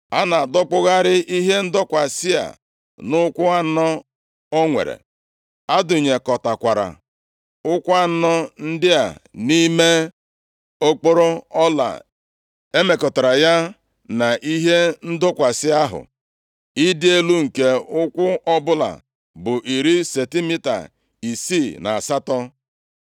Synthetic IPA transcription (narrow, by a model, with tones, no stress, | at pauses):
a˦na˨a˨dɔ˦k͡pʊ˦ɣa˦ɾɪ˦i˦ɦe˦n̩˦dɔ˦kʷa˨sɪ˦a̰˨ | nʊ˦kʷʊ˦a˦n̩˦nɔ˦ | o˦ŋʷḛ˨ɾḛ˨ | a˦dʊ˨ɲe˨kɔ˨ta˨kʷa˨ɾa̰˨ | ʊ˦kʷa˦n̩˦nɔ˦n̩˦dɪ˦a̰˨ni˦me˦ | o˦k͡po˦ɾo˦ɔ˦la̰˨ | e˦me˨kɔ˨ta˨ɾa˨ja˦ | na˨ʔi˦ɦe˦n̩˦dʊ˦kʷa˨sɪ˦a˦ɦʊ̰˨ | i˦dɪ˦e˦lu˦ŋ̩˨ke˦ʊ˦kʷʊ˦ʔɔ˦bʊ˦la̰˨ | bʊ˨ʔi˨ɾi˦se˨ti˦mi˦ta̰˨ | i˨siː˦˨na˨a˨sa˦tɔ˦